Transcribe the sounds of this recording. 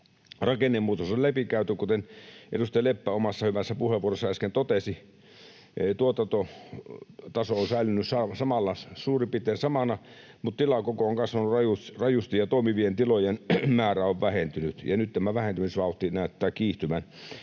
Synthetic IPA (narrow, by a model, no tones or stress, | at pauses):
rɑkenːemːuːt̪osollæpikæˑyt̪ykut̪enʔḛdust̪elepːæomɑsːɑhyʋæsːæpuheʋuoresːɑeskent̪ot̪esi | t̪uot̪ɑt̪o | t̪ɑsoonsæˑilynːyssɑsɑmɑlːɑssuːripit̪ˑeːsɑmɑnɑ | mut̪t̪ilɑkokooŋkɑsʋɑnurɑjurɑjust̪ijjɑt̪oˑimiʋient̪ilojenmæːræoʋʋæhent̪ynyt̪jɑnyt̪t̪æmæʋæhent̪ymisʋɑˑut̪ːˑinæˑyt̪ːæːkkiːht̪ymæn